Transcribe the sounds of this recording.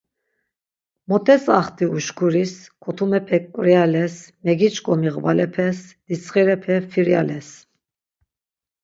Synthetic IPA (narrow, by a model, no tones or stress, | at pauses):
mɔt̪ʰɛsaχt̪ʰʼiuʃkʰuɾiskʰɔt̪ʰumɛpʰɛkʼɾjalɛsmɛɡit͡ʃʼkʼɔmiʁvalɛpʰɛsd̪̥it͡sʰχiɾɛpʰɛfiɾjalɛs